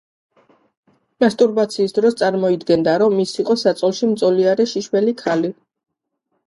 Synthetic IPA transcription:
mast̪ʼuɾbat̪sʰiːsd̪ɾɔst̪sʼaɾmɔid̪ɡɛnd̪aɾɔmːisiqʼɔsat̪sʼɔlˠʃimt̪sʼɔliaɾɛʃiʃwɛlikʰali

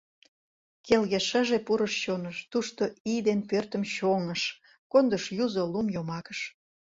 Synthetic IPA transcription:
kelɣeʃəʒepuɾəʃɕonəʃt̪uʃt̪o̽ijd̪enpørt̪ə̆mɕoŋəʃ | kond̪əʃjuzolumjomɑkəʃ

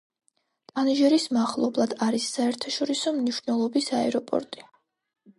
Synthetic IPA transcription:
t̪ʼaniʒɛɾismaχlˠɔblˠad̪aɾisːaɛɾt̪ʰaʃɔɾisɔmniʃnɛlˠɔbisaɛɾɔpʼɔ̰ɾt̪ʼi

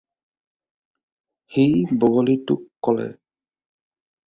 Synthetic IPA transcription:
xejbɔɡɔlitʊkːɔlɛ̰

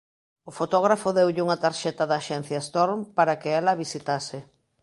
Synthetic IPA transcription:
ofot̪oɣ̞ɾafoðewʎɪuŋat̪aɾʃɛt̪ɐðaːʃɛn̟θjast̪oɾmpaɾakɪɛlɐβisit̪asɪ

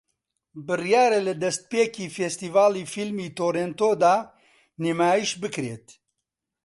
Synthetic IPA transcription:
bɨrjaːɾɛlɨd̪ɛst̪̚peːkiːfest̪iːvaːliːfilmiːt̪oːɾent̪oːd̪aː | nemaːjiʃbɨkɾeːt̪

